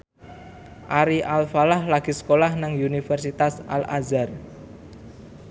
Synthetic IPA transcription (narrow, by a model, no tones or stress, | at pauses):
ʔaɾiʔalfalahlaɡ̥i̤skolahnaŋunifɛrsit̪asʔa̰lazar